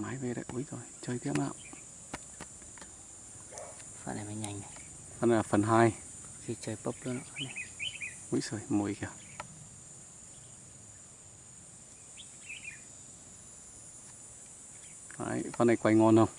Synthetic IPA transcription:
maː˨˦jve˧˩ɗa̰˧˩ʔu˨˧˦jzo˨˩jt͡ɕəː˧jt̪ʰi˦˥əma̰˧˨ʔ | fa̰˧˨na˨jma˨˧˦ɲa˨˧˩ŋ˨˧˨ | fa˧na˨˩˨laː˨˩fə˨˩nɦaː˧j | i˧t͡ɕəː˧jpə˦˥p̚lə˧˦˧a˧˩na˨˧˩ʔu˨˧˦jso˨˩jmu˨˩jka˧˩ | fa̰ː˧˨˧jfa˧nə˨˧jkwa˧jŋɔ˧nhə˧˩w

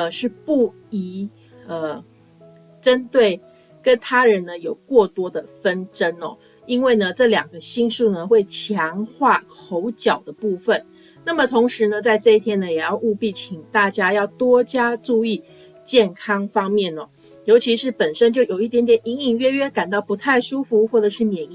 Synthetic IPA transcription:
ə˧˩ʂɻ̩˥˩pu˥˩ | i˧˥ | ə˨ | ʈ͡ʂə˦˥nt̪we˥˩ɪ | kə˦˥nt̪ʰa˥ɻə˧˦nnə˧jo˨˩ʊkwɔ˥˩t̪wɔ˥d̪ə˨fə˦nʈ͡ʂə˥nɔ̰˨˩ | i˥nwe˥˩ɪnə˩ʈ͡ʂɤ˥˩ljɑ˨˩ŋɡə˦ɕi˥ŋʂu˥˩nə˩xwe˥˩ɪt͡ɕʰjɑ˧˥ŋxwa˥˩kʰo˧˥ʊt͡ɕjɑ˨˩ʊd̪ə˦pu˥˧fə˥˨n | na˥˩mə˨˩t̪ʰo˧˥ŋʂɻ̩˧˦nə˧t͡sa˥˧ɪʈ͡ʂɤ˥˧i˥˩t̪ʰjɛ˥nə˨jɛ˨˩jɑ˥˧ʊʔu˥˧pi˥˩t͡ɕʰi˨˩ŋt̪a˥˩t͡ɕja˥jɑ˥˩ʊt̪wɔ˥t͡ɕja˥ʈ͡ʂu˥˧i˥˩ | t͡ɕjɛ˥˩nkʰɑ˥ŋfɑ˥ŋmjɛ˥˩nɔ˨˩ | jo˧˥ʊt͡ɕʰi˧˥ʂɻ̩˥˩pə˨˩nʂə˥nt͡ɕjo˥˩ʊjo˨˩ʊi˥˩t̪jɛ˧˥nt̪jɛ˨˩ni˧˥ŋi˥˩ŋɥɛ˥ɥɛ˥ka˨˩nt̪ɑ˥˩ʊpu˧˥t̪ʰa˥˩ɪʂu˥fu˧˥xwɔ˥˩ʈ͡ʂɤ˨˩ʂɻ̩˥˩mjɛ˨˩ni˨

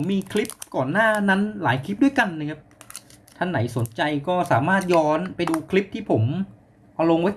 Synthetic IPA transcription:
mːiː˧kʰli˦˥p̚kɔː˨˩nːaː˥˩na˦˥nlaː˩˦jkʰli˦˥p̚du˥˩jka˧nːa˧kʰa˦˥p̚ | t̪ʰa˧˥˩ŋna˩˦jso˨˩˦nt͡ɕa˧jkɔː˥˩saː˩˦maː˥˩t̪̚jɔː˦˥npa˧jduː˧kʰli˦˥p̚t̪ʰiː˥˩pʰo˩˦m | ʔa˧lo˧ŋw

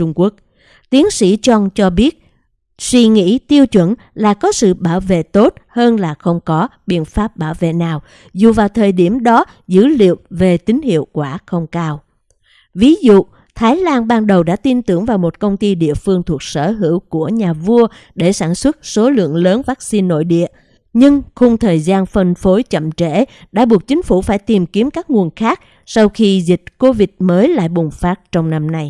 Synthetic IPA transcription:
ʊ˧ŋ͡mku˦˥ək̚ | t̪i˨˦əŋsḭ˧˥t͡ɕɔ˧ŋt͡ɕɔ˧ɓi˦˥ət̚ | swi˧ŋḭ˧˥t̪i˧əwt͡ɕwə̰˧˩n | laː˨˩kɔ˨˦sɨ̰˧˨ɓaː˧˩wvḛ˧˨t̪o˦˥t̚həː˧nlaː˨˩xə˧wŋ͡mkɔ˨˦ɓḭ˧˨ənfaː˦˥p̚ɓaː˧˩wvḛ˧˨naː˨˩w | zu˨˩vaː˨˩wt̪ʰəː˨˩jɗi˧˩əmɗɔ˨˦ | zɨ̰˧˥lḭ˧˨əwve˨˩t̪ï˨˦ŋ̟hḭ˧˨əwkwaː˧˩xə˧wŋ͡mkaː˧w | vi˨˦zṵ˧˨ | t̪ʰaː˨˦jlaː˧nɓaː˧nɗə˨˩wɗa̰ː˧˥t̪i˧nt̪ɨ˧˩əŋvaː˨˩wmo˨˩t̚kə˧wŋ͡mt̪i˧ɗḭ˧˨əfɨ˧əŋt̪ʰu˨˩ək̚sə̰ː˧˩ɦɨ̰˧˩əwku˧˩əɲaː˨˩vu˧ə | ɗe˧˩saː˧˩nswə˦˥t̚so˨˦lɨ̰˧˨əŋləː˨˦nvaː˦˥k̚si˧nːo̰˧˨jɗḭ˧˨ə | ɲɨ˧ŋxʊ˧ŋ͡mt̪ʰəː˨˩jzaː˧nfə˧˩nfo˨˦jt͡ɕə̰˧˨mt͡ɕe˧˩˨ɗa̰ː˧˥ɓu˨˩ək̚t͡ɕï˨˦ŋ̟fu˧˩faː˧˩jt̪i˨˩mki˨˦əmkaː˦˥k̚ŋu˨˩ənxaː˦˥k̚ | sa˧wxi˧zï˨˩k̟̚ko˧vï˨˩t̚məː˨˦jla̰ː˧˨jɓʊ˨˩ŋ͡mfaː˦˥t̚t͡ɕɔ˧wŋ͡mna˧mna˧j

